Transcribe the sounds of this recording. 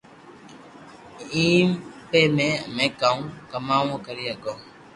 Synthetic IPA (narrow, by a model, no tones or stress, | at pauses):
ĩmpemɛ̃a̰mɛ̃kãũkamãwɔ̃kaɾiakɔ